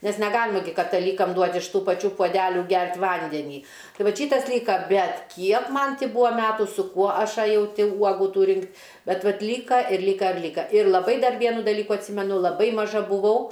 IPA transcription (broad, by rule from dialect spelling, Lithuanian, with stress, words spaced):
nʲɛs nʲɛˈɡɑːlʲɪmɐ ɡʲɪ kɐtɐˈlʲiːkɐm ˈduɔtʲ ɪʃ ˈtuː pɐˈt͡ʃʲuː puɔˈdʲæːlʲuː ˈɡʲɛrʲtʲ ˈʋɐnʲdʲɛnʲiː ˈtɐɪ ˈʋɐt ˈʃʲiːtɐs ˈlʲiːkɐ ˈbʲɛt ˈkʲiɛk ˈmɐn ˈtʲɪ ˈbʊʋoː ˈmʲæːtʊ sʊ ˈkuɔ ˈɐʃ ɐˈjɛʊ ˈtʲɪ ˈuɔɡʊ ˈtuː ˈrʲɪŋktʲ ˈbʲɛt ˈʋɐt ˈlʲiːkɐ ɪr ˈlʲiːkɐ ɪr ˈlʲiːkɐ ɪr lˠɐˈbɐɪ ˈdɐr ˈʋʲiɛnʊ dɐˈlʲiːkʊ ɐtʲˈsʲiːmʲɛnʊ lˠɐˈbɐɪ mɐˈʒɐ bʊˈʋɐʊ